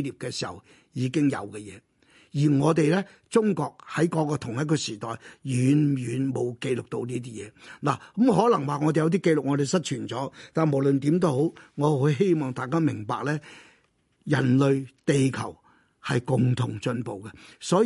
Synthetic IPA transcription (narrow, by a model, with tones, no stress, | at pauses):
liː˨˩p̚kɛː˧si̥ː˨˩hɐ̰˨w | jiː˨˧kɪ˥ŋjɐ̰˨˧wkɛ˧jɛ̰ː˨˧ | jiː˨˩ŋɔː˨˧t̪e˨jlɛː˥ | t͡sʊ˥ŋkɔː˧k̚hɐ˨˥jkɔː˨˧˥kɔː˧t̪ʰʊ˨˩ŋjɐ˥t̚kɔ˧siː˨˩t̪ɔː˨jjyː˨˧njyː˨˧nmo˨˧wke˧jlʊ˨k̚t̪o˧wniː˥t̪iː˥jɛː˨˧laː˨˩kmɦɔː˨˥lɐ˨˩ŋwaː˨ŋɔː˨˧e˨jɐ˧wt̪iː˥ke˧jlʊ˨k̚ŋɔː˨˧t̪e˨jsɐ˥t̚t͡ʃʰyː˨˩nt͡sɔː˨˥t̪aː˨nmo˨˩wlɵ˨nt̪iː˨˥mt̪o˥ho˨˥wŋɔː˨˧ho˨˥jɦe˥jmɔː˨ŋt̪aː˨˩jkaː˥mɪ˨˩ŋpa̰ː˨k̚lɛː˥ | jɐ˨˩nlɵ˨˧ɥt̪e˨jkʰɐ˨˩w | hɐ˨jkʊ˨ŋt̪ʰʊ˨˩ŋt͡ʃɵ˧npo˨wkɛ˧sɔː˨˥